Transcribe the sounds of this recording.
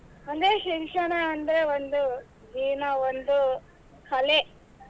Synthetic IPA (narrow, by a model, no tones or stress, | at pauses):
ɐnd̪eʃikʂɐɳɐːnd̪ɐɾeʋond̪u | d͡ʒiːnɐʋond̪u | kʰɐle